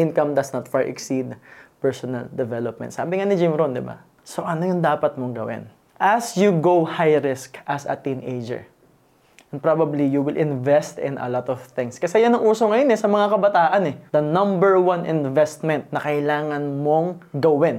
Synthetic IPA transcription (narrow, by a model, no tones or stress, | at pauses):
ʔɪ̃nkɐmd̪ɐsnɐt̪faɹʔɛ̰ksid̪pɛɹsonɐ̰ld̪ɛvɛlop̚mɛ̰nt̪sa̰ːbɪŋanɪd͡ʒɪmɾond̪ɪba̰ | soʔɐnojʊŋd̪aːpɐt̪̚moŋɡɐwɪ̰n | ʔɐsjuɡowhajɾɪskʔɐsɐ̰t̪inejd͡ʒɛ̰ɹ | ʔɛ̃n̚pɹabɐblijuwɪlʔɪ̃nvɛst̪ɪ̰̃nɐ̰lɔt̪ɔv̥θɪ̃ŋskɐsɛjanɐŋʔuːsoŋɐjonɛsɐmɐŋakɐbɐt̪aːʔɐnɛd̪ɐnɐ̃mbɛɹwɐnʔɪ̃nvɛst̪̚mɛ̃nt̪̚nɐkɐjlaːŋɐnmo̞ŋɡɐwɪn